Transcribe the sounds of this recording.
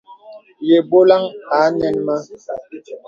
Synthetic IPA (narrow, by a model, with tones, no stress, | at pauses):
je˨bo˦la˦ŋa˨˦nɛ˦nma˦